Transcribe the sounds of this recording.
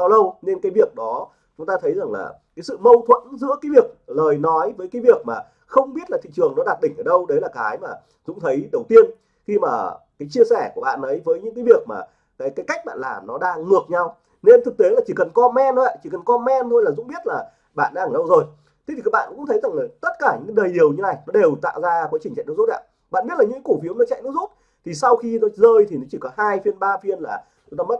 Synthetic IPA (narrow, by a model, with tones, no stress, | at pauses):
ɓaː˧wlə˧wne˧nkaː˨˦jvi˨˩ək̚ɗɔ˨˦ | t͡ɕʊ˨˦ŋ͡mt̪aː˧t̪ʰə˨˦jza˨˩ŋla̰ː˨˩ | aː˨˦jsɨ̰˧˨mə˧wt̪ʰwə̰˧˨nzɨ̰˧˥kaː˨˦jvi˨˩ək̚ləː˨˩jnɔ˨˦jvəː˨˦jkaː˨˦jvi˨˩ək̚maː˨˩ | xə˧wŋ͡mɓi˦˥ət̚laː˨˩t̪ḭ˧˨t͡ɕɨ˨˩əŋnɔ˨˦ɗaː˨˩t̚ɗï˧˩ŋ̟ʔəː˧˩ɗə˧wɗe˨˦laː˨˩kaː˨˦jmaː˨˩ | zʊ̰˧˥ŋ͡mt̪ʰə˨˦jɗə˨˩wt̪i˧ən | xi˧maː˨˩kaː˨˦jt͡ɕi˧əsɛ˧˩ku˧˩əɓa̰ː˧˨nʔə˨˦jvəː˨˦jɲɨ̰˧˥ŋkaː˨˦jvi˨˩ək̚ma̰ː˨˩ | kaː˨˦jkaː˨˦jka˦˥jk̚ɓa̰ː˧˨nlaː˨˩mnɔ˨˦ɗaː˧ŋŋɨ˨˩ək̚ɲa˧w | ne˧nt̪ʰɨ˨˩k̚t̪e˨˦laː˨˩t͡ɕi˧˩kə˨˩nkɔ˧mɛ˧n˦a̰˧˨t͡ɕi˧˩kə˨˩nkɔ˧mɛ˧nt̪ʰo˧jlaː˨˩zʊ̰˧˥ŋ͡mɓi˦˥ət̚laː˨˩ | ɓa̰ː˧˨nɗaː˧ə˨˩˨ɗə˧wzo˨˩j | t̪ʰe˦t̪i˨˩ka˦˥ɓa̰ː˧˨˧kŋ͡mt̪ʰə˨˦za˨˩ŋləː˨˩t̪ə˦˥t̚kaː˧˩ɲɨ̰˧˥kɗəː˨˩jɗi˨˩əwɲɨ˧na˧˨˩jnɔ˨˦ɗe˨˩wt̪a̰ː˧˨wzaː˧kwaː˨˦t͡ɕi˨˩ŋt͡ɕa̰˧˨nɨ˦˥zt̚ʔa̰ː˧ | ɓa̰ː˧˨nɓi˦˥t̚la˨ɲɨ̰˧˥kku˧˩fi˨˦wmnɔ˨˦t͡ɕa̰˧˨jnɨ˦˥zu˦˥t̚ | t̪ʰi˨˩sa˧wxi˧nɔ˨˦zəː˧jt̪ʰi˨˩nɔ˨˦t͡ɕi˧˩kɔ˨˦haː˧jfi˧ənɓaː˧fi˧ənlaː˨˩ | t͡ɕʊ˨˦t̪aː˧m˦˥t̚